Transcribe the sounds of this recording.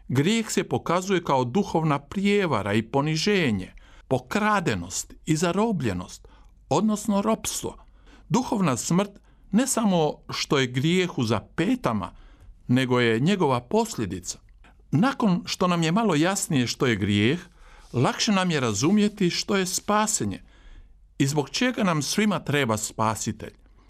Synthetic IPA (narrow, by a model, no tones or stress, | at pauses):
ɡɾjeːxse̞po̞kazuje̞kaod̪uxo̞ʋnapɾjeʋa̰ɾa̰ipo̞niʒe̞ːɲe̞̰po̞kɾaːd̪e̞no̞̰st̪izaɾo̞ːbʎe̞no̞̰st̪ | o̞d̪no̞sno̞ɾo̞pst̪ʋo̞̰ | d̪uxo̞ʋnasmr̩t̪ | ne̞samo̞ʃt̪o̞jeɡɾjeːxuzape̞ːt̪ama̰ne̞ɡo̞je̞ɲe̞ɡo̞ʋapo̞sʎʲe̞d̪it̪sḁ | nako̞nʃt̪o̞namje̞malo̞jasnije̞ʃt̪o̞je̞ɡɾijeːxlakʃe̞namjeɾazumje̞t̪iʃt̪o̞je̞spaːseɲḛ | izbo̞kt͡ʃeɡanamsʋimat̪ɾe̞ːbaspaːsit̪e̞̰ʎ